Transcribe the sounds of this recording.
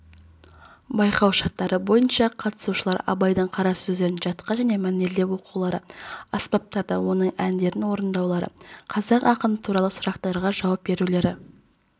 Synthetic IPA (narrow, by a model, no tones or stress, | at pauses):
bɑjqɑwʃɑt̪ːɑɾəbo̞jənʃɑqʰɑt̪ə̥suʃəlˠɑɾɑ̰bɑjd̪əɴqʰɑɾɑssɵzd̪e̞ɾɪnʒɑt̪qɑʒæne̞mæneld̪epwo̞quwlˠɑɾə̰ɑspɑp̚t̪ɑɾd̪ɑ̰wo̞nəɴænd̪e̞ɾɪnwo̞ɾənd̪ɑwlˠɑɾə̰qʰɑzɑqɑqəmət̪ʰuɾɑlˠəsʊɾɑqt̪ɑɾʁɑʒɑwɑp̚be̞ɾule̞ɾɪ